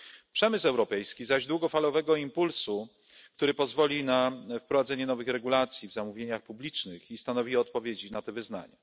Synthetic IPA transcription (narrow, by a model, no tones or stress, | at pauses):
pʂɛmɘsɛwɾɔpɛjskʲizaʑd̪wuɡɔfalɔvɛɡɔimpulsu | kt̪uɾɘpɔzvɔlʲinafpɾɔvad̪zɛɲɛnɔvɘxɾɛɡulat̪sʲjivzamuvʲjeɲaxpublʲit͡ʂnɘxist̪anɔvʲiɔt̪̚pɔvʲjed͡ʑinat̪ɛvɘzna̰ɲa̰